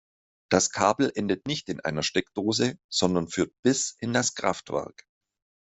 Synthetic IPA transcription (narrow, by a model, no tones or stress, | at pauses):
d̥askʰa̰ːbl̩ʔɛndətnɪçtɪnʔa̰ɪnɐʃtɛkd̥oːzəz̥ɔndɐnfyːɐt̚b̥ɪsɪndaskʁ̥a̰ftv̥ɛ̰ɐ̰k